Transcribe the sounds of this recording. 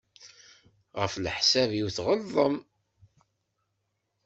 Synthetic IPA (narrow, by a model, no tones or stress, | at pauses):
ʁəflħsævjiuwθʁəlˤːəm